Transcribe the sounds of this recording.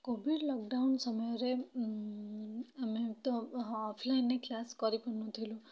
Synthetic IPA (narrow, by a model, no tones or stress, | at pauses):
kobʱiɖlɔkɖawnsɔmɔjɔɾe | amet̪ɔːpʰlajnːeklaskɔɾipɔnnut̪ʰilũ